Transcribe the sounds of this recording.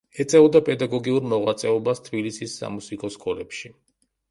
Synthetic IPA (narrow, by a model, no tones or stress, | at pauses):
ɛt̪sʼɛɔd̪apʼɛd̪aɡɔɡiuɾmɔʁwat̪sʼɛɔbast̪ʰbilisisːa̰musikʼɔskʼɔlɛpʃi